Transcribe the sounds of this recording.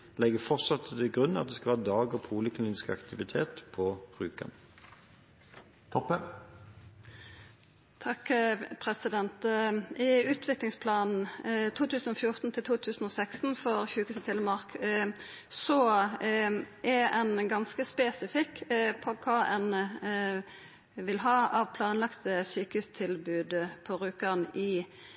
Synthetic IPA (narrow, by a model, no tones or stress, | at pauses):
lɛɡəfɔʁt̪sɑt̪ʰːd̪ɪɡʁʉnːɑt̪̚d̪ɛskɑʋæːʁəd̪ɑːɡəʁpʰuːləkʰlinskɑ̰kt̪ɪʋɪt̪ʰḛːt̪pʰɔʁʉːkɑ̰n | t̪ʰɔpːə | t̪ʰɑkpʰʁɛsɪd̪ɛnt̪ɪʉːt̪ʰʋɪklɪŋspʰlɑːnn̩t̪ʰuːt̪ʰʉːsn̩ɔfjʊʁt̪n̩t̪ʰɪlt̪ʰuːt̪ʰʉːsn̩oːsækst̪n̩fɔɾçʉːkʉːsət̪ʰɪləmɑʁk | sɔ | ʔɛɛnɡɑnskəspɛsɪfɪkpʰɔkʰɑːɛn | ʋɪlɦɑːɑʋpʰlɑːnlɑkt̪əsyːkəhʉst̪ʰɪlbʉːd̪pʰɔɾʉːkənɪ